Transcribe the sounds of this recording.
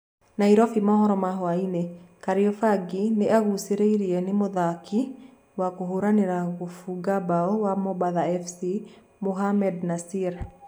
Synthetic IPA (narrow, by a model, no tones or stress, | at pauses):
naiɾɔfimɔhɔɾɔmaɦɔainekaɾiɔfaɡineaɣuseɾeiɾiɛnemoðakʰi | wakoɦoɾaneɾaɣofuɡabaɔwamɔbaðaɛfsi | moɦamɛdnasiɾ